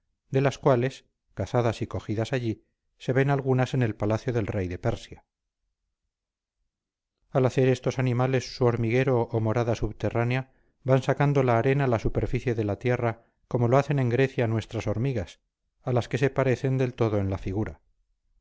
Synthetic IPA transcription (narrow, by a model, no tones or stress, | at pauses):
d̪e̞laskwale̞s | kaθaðasiko̞xiðasaʎi | se̞βe̞nalɣ̞unase̞ne̞lpalaθjo̞ðe̞lre̞jðe̞peɾsja | alaθe̞ɾe̞st̪o̞sanimale̞sːuo̞ɾmiɣe̞ɾo̞ʔːmo̞ɾaðasuβt̪e̞ranea | bansakand̪o̞laːɾe̞nalasupe̞ɾfiθje̞ðe̞lat̪je̞ra | ko̞mo̞loaθe̞nẽ̞ŋɡɾe̞θjanwe̞st̪ɾaso̞ɾmiɣas | alaske̞se̞paɾe̞θend̪e̞lt̪o̞ðo̞e̞nlafiɣuɾa